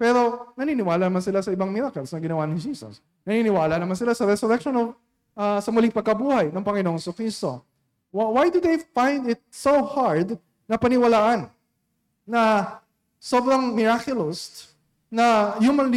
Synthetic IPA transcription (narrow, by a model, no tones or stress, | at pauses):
pɛɾo̞nɐninɪwaːlɐnɐmansɪlasɐɪbaŋmɪɾakɛlsnɐɡɪnɐwanɪd͡ʒiːsɐ̰s | nɐninɪwaːlɐnɐmansɪlasɐɾɛsʊɾɛk̚ʃonov | ʔasɐmʊlɪŋpɐɡ̚kɐbuːhɐjnɐŋpɐŋɪnoŋsʊkɾist̪o̰ | wawajd̪ʊd̪ejfãjnd̪ɪt̪̚sowhaɹd̪ | nɐpɐnɪwɐlaːʔɐnː | ɐ | sobɾɐŋmɪɹakjʊlost | nɐjumɐnl